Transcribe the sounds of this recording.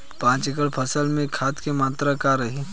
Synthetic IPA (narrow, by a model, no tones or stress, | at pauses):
pãːt͡ʃɪkəlpʰɐsəlmẽkʰaːt̪kemaːt̪ɾakaɾɐɦiː